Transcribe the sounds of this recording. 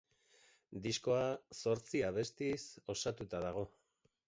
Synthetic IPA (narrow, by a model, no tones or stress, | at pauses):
d̪isko̞aso̞ɾt͡siaβe̞st̪iso̞sat̪ut̪aðaɣ̞o̞